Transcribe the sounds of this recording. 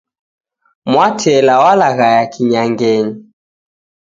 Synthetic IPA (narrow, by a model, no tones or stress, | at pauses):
mwatʰɛlawalaɣajakʰiɲaŋɡɛɲi